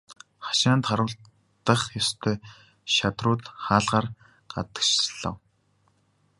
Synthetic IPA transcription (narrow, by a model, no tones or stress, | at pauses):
χḁʃaːnt̪χaɾʊ̆ːɬ | t̪ə̆χjɔst̪ʰœː | ʃat̪rʊːt̪χaːɮʁaːr | ɢ̥a̰t̪ə̥̆kt͡ɕɮə̰̆w